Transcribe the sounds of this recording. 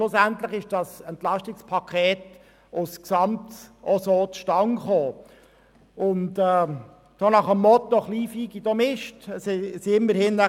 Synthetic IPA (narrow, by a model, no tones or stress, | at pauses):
ʃlʊsæntlɪχɪʃd̥ɑsɛntlɑʃtɪkspʰɑkʰɛːt | ʊsksɑmtʔɔsoːtʃtɑŋχoː | ʊntɛː | d̥onɑχəmːɔt̪ːɔχliːfiːɡidɔmɪʃtssiɪmːəɾhɪnnæ